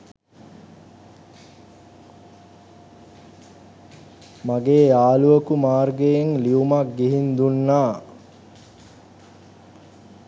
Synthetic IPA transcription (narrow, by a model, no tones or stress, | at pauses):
maɡeːaːluəkumaːrɡejeŋliumak̚ɡiɦind̪unːaː